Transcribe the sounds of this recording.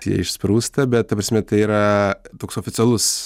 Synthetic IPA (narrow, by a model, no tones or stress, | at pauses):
jḭɛɪʃspɾuːst̪ɐbʲɛt̪̚kɐpɾɐsʲmʲɛt̪ɐɪiːɾɐt̪oːksoːfʲɪt̪t͡ssʲɛlˠʊs